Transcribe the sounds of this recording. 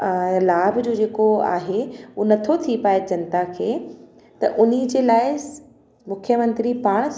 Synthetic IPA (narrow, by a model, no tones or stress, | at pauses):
laːbʱd͡ʑoːd͡ʑeːkoa̰ːɦeunɐt̪ʰot̪ʰipaːed͡ʑɐnt̪akʰeː | t̪ɐʔʊnid͡ʑeːlaːɪ | mʊkʰjəmɐ̃nt̪ɾipaːɽ̃